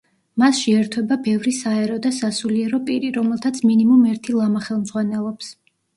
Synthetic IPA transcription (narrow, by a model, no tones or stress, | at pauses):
masʃɛɛɾt̪ʰwɛbabɛvɾisaɛɾɔd̪asasuliɛɾɔpʼiɾiɾɔmɛlˠt̪ʰat̪sʰminimumɛɾt̪ʰilˠamaχɛlˠmd̪z̥ʁwanɛlˠɔps